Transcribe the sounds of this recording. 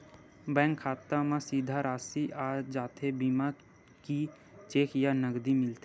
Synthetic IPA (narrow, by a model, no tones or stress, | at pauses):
bɛ̃ːŋkʰːaːt̪amãsiːd̪ʱaɾaːsiʔaːd͡ʒaːt̪ʰebiːma | ki | t͡ʃeːkʰjanəɡd̪imɪlt̪e